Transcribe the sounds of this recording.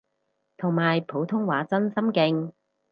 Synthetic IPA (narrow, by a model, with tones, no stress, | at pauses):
t̪ʰʊ˨˩ŋmaː˨˩jpʰo˨˥wt̪ʰʊ˥ŋwaː˨˥t͡sɐ˥nsɐ˥mkɪ˧ŋ